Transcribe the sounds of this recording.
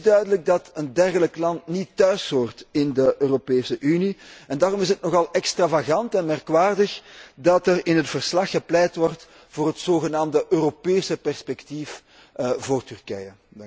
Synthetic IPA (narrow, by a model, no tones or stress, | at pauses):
dœɥdələɡ̚dɑtəndɛrɣələklɑntnitːœɥsoːrtɪndəʔøːropeːsəʔyniɛndaːrɔmɪs̬ətnɔɣɑlˠɛkstravaɣɑntɛnmɛrkʋaːrdəxdɑtɛrɪnɦətfərslɑxːəplɛjtʋɔrt | v̥oːrɦətsoːɣənaːmdəʔøːropeːsəpɛrspɛktif | voːrtʏrkɛjə